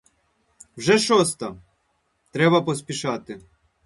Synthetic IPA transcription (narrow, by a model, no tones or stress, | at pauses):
wʒɛʃɔst̪ɐ | t̪ɾɛbɐpɔspʲiʃɑt̪ɪ